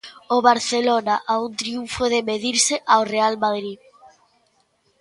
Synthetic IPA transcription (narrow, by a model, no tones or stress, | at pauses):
oβaɾθelonaʔaunt̪ɾiuɱfoðemeðiɾseʔawrealmaðɾi